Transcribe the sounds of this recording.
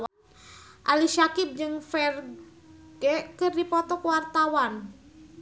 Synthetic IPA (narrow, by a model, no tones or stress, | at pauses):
ʔaliʃakɪb̚d͡ʒɨŋfɛr | ɡɛkɨrdipɔt̪ɔkwart̪awan